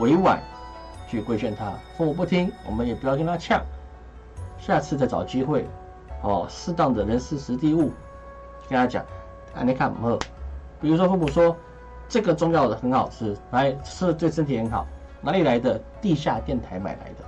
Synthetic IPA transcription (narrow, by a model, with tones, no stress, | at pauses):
we˧˥ɪwa̰˨˩˦n | t͡ɕʰy˥˩kwe˥ɪt͡ɕɥɛ˥˩nt̪ʰa˥fu˥˩mu˨˩p̬u˥˩t̪ʰi˥ŋwɔ̰˨˩mə˧˦njɛ˨˩pu˧˥jɑ˥˩ʊkə˥nt̪ʰa˥t͡ɕʰjɑ˥˩ŋ | ɕja˥˧t͡sʰɹ̩˥˧t͡sa˥˩ɪt͡sɑ̰˨˩ʊt͡ɕi˥xwe˥˩ɪ | ɔ˥˧˩ʂɻ̩˥˧t̪ɑ˥˩ŋd̪ə˩ɻə˧˥nʂɹ̩˥ʂɻ̩˧˥t̪i˥˧u˥˩ | kə˥nt̪ʰa˥t͡ɕjɑ̰˨˩˦ŋ | a̰˥˩ni˧˥kʰa˥˩m̰˨˩ɤ˥˩pi˨˩ɻu˧˥ʂwɔ˥fu˥˩mu˨˩ʂwɔ˥ | ʈ͡ʂɤ˥˩ɡə˩t͡sʊ˥ŋjɑ˥˩ʊd̪ə˩xə˧˥nxɑ˨˩ʊʈ͡ʂ̩ʰ˥na˧˥ɪ˥˧t̪we˥˩ɪʂə˥nt̪ʰi˨˩xə˧˥nxɑ̰˨˩˦ʊ | na˧˥li˨˩la˧˥ɪd̪ə˧t̪i˥˧ɕja˥˧t̪jɛ˥˩nt̪ʰa˧˥ɪma̰˨˩ɪla̰˧˥ɪd̪ə˧